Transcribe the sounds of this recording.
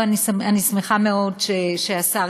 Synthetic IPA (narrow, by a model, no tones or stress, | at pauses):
anisanismeχameo̞dʃeʃeasa